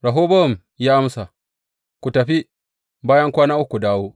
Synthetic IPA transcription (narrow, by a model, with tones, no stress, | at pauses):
ɾa˨ɦoː˦bɐ˦˨m | jaː˦ʔa˦msa˨ | kʷu˨tɐ˨ɸi˦ | baː˦jɐ˦ŋkʷaː˦naː˦ʔʊ˦kʷu˨daː˦woː˦